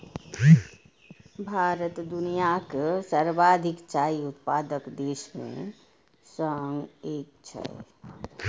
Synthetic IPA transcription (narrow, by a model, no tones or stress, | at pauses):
bʱaɾət̪d̪unijaksəɾbad̪ʱikt͡ʃaiut̪̚pad̪əkd̪eːsmḛ̃ | səŋɡeːk̚t͡ʃʰɛ̰